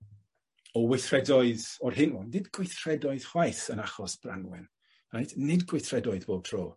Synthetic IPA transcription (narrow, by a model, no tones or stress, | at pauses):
ɔwɪθrɛdɔɨðɔrhɪnɔnːɪdɡwɪjθrɛdɔɨð̥χwajθənaχɔsb̥ra̰nwɛ̰n | rajtnɪdɡwɪθrɛdɔɨðboːb̚tʰro̰ː